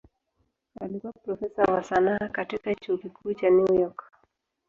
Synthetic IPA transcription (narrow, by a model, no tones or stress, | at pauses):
a̰likuwapɾɔfɛsawasanakatikat͡ʃuːkikʰuːt͡ʃanujɔk